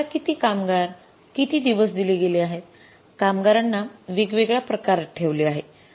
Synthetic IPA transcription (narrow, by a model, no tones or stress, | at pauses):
akit̪iːkamɡaɾ | kit̪iːd̪iʋəsd̪ileɡeliaɦet̪̚ | kamɡaɾanːaʋiɡʋeɡɭjapɾəkaɾʈʰeʋliːaɦe